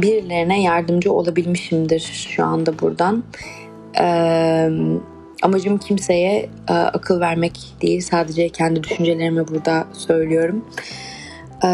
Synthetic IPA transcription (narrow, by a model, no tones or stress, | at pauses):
biɾlʲe̞ɾinɛjaɾd̪ɯmd͡ʒɯo̞̰lˠabilʲmiʃimd̪iɾ̥ʃua̰nd̪abuɾd̪an | ɛm | amad͡ʒɯmcʰimse̞jɛ | ɛ̰a̰kʰɯlˠvæɾmɛc | d̪̥ejilʲsaːd̪e̞d͡ʒɛcʰɛnd̪id̪yʃynd͡ʒe̞lʲe̞ɾimɛbuɾd̪asø̞jlʲyjo̞ɾum